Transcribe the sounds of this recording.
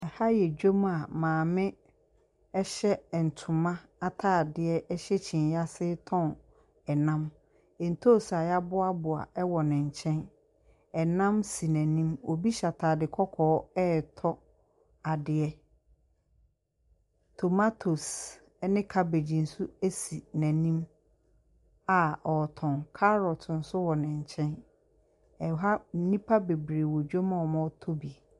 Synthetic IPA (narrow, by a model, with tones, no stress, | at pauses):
ɛ˨ha˦jɛ˨d͡ʑᶣo˦ma˨mãː˨mɪ̃˦ | ɛ˦ɕɛ˦˨n̩˨tʰʊ̃˨mã˦ | a˦tʰaː˦˨dɪ˨ɛ˦ʔɛ˦ɕɛ˦t͡ɕʰĩ˨nja˦sɪ˦tʰɔ̃˦n | ɛ˨nã˦m˨ | n̩˨tʰo˦˨sa˨ja˦bʊ˦a˦bʊ˨a̰˨ʔɛ˦wɔ˨nɪ̃˨ɲ̩˨t͡ɕʰɛ̃˦n | ɛ˨nã˦msi˨næ̃˨nĩ˦mo˨bi˦ɕa˨tʰaː˨dɪ˨kʰɔ˦kʰɔː˨˦ɛː˦tʰɔ˦ | a˨dɪ˨ɛ˦ | tʰo˨ma˦tʰo˨s | ɛ˦nɪ̃˦kʰa˦be˨d͡ʑi˨n̩˨su˦e˦si˨næ̃˨nĩ˦m | a˨ɔ˨tʰɔ̃˨ŋkʰa˦ɾɔ˨tʰn̩˨˦sʊ˦wɔ˨nɪ̃˨ɲ˨t͡ɕʰɛ̃˦n | ɛ˨ɦa˦nĩ˦pʰa˦be˨bɾe˨wɔ˨d͡ʑᶣo˦mã˦ɔ˨mɔ̃˦tʰo˦bi˨